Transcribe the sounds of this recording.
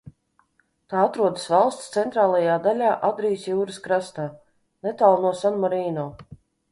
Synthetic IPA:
t̪aːat̪ɾuɔd̪əsvalˠst̪st̪sɛnt̪ɾaːlˠajaːd̪alʲaːʔad̪ɾijsjuːɾɨskɾast̪aː | nɛt̪aːlˠnuɔsanmɔɾiːnɔː

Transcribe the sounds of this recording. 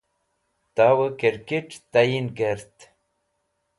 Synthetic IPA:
t̪awəkeɾkeʈt̪ajinɡeɾt̪

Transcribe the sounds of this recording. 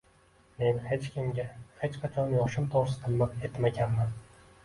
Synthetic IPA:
me̞nhet͡ʃkʲɪmʲahet͡ʃqʰat͡ʃʰɒnjoχʃʊmt̪ʰoɾsɪ̥t̪ʰɨlmake̞t̪maɡʲanman

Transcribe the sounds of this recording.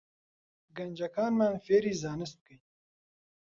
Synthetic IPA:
ɡɐnʲd͡ʒɐkʰaːnmaːnfeːɾiːzɑːnɪst̪̚kəj

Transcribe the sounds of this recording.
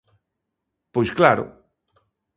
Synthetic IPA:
pojsklaɾʊ̰

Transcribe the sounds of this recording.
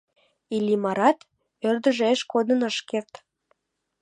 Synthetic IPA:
ilʲimɑɾɑt̪ | ørd̪ə̆ʒeeʃkod̪ənəʃkert̪

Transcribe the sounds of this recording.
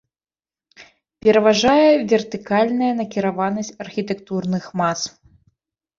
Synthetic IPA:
pʲɛɾɐvaʐajɛvʲɛrt̪ɨkalʲnɐjɐnɐkʲiɾavanɐsʲt͡sʲɐrxʲit̪ɛkt̪urnɨxmas

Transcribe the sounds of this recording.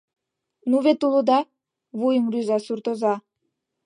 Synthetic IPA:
nuβet̪ulod̪ɑ | βujəmryzɑsurt̪ozɑ

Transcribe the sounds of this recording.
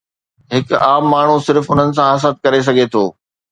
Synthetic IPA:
ɦɪkaːmːaːɳ̤usɪɾfʊn̤ənɪ̆s̬ãɦɐs̬ət̪̚kɐɾes̬ɐɡʱet̪ʰoː

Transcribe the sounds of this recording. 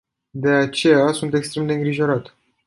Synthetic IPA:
d̪e̞at͡ʃe̞jasunt̪e̞kst̪ɾe̞md̪e̞ɨŋɡɾiʒo̞ɾat̪

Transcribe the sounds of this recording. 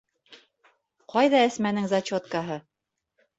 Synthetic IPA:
qʰɑjðɑɘ̆smænɘŋzat͡ɕot̪̚kɑɦɤ

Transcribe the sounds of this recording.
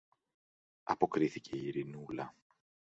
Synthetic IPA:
ɐpo̞kɾiθice̞iiɾinulɐ

